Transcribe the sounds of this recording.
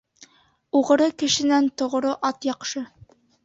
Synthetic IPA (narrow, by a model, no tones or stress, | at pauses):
uʁɤ̆ɾɤkɘ̆ʃɘ̆nænt̪ŏʁ̆ɾoʔɑt̪jɑqʃɤ